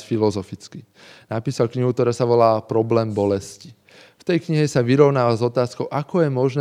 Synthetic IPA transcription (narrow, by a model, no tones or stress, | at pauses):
filɔzɔfit͡ski | napiːsalkɲiɦukt̪ɔɾaːsaʋɔlaːpɾɔblɛːmbɔlɛsci̥ | ft̪ɛjkɲiɦɛsaʋiɾɔʊnaːʋazɔt̪aːskɔʊʔakɔjɛmɔʒnɛ